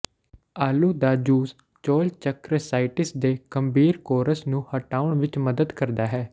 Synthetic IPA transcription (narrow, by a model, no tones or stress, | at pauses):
aːluːd̪aːd͡ʒuːs | t͡ʃoːlt͡ʃəkɾəsaːɪʈɪsd̪eːɡ̥əmbiːɾkoːɾəsnũːhəʈaːʊɳʋɪt͡ʃməd̪əd̪kəɾd̪aːɦɛː